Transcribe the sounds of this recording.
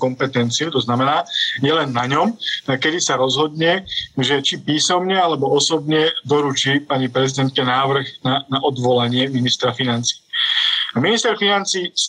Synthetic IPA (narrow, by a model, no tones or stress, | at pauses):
kɔmpɛt̪ɛnt͡siut̪ɔznamɛnaːjɛlɛnːaɲɔmkɛd̪isaɾɔzɦɔd̪ɲɛʒɛt͡ʃipiːsɔmɲɛalɛbɔɔsɔbɲɛd̪ɔɾut͡ʃiːpaɲipɾɛzid̪ɛnt̪̚kɛnaːʋr̩ɣnanaʔɔd̪ʋɔlaɲɪɛminist̪ɾafinant͡si̥ː | minist̪ɛɾfinant͡siːs